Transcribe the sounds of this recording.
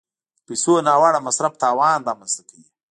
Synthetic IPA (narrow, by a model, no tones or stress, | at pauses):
pisonɑːwaɽamasɾaft̪ɑːwɑːnɾɑːmanst̪akawi